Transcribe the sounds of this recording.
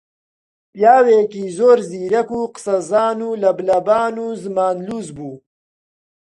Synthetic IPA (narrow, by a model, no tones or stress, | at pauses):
pjaːwekizoːɾziːɾɐkuːqə̥sɐzaːnuːlɐblɐbaːnuːzmaːnluːzbuː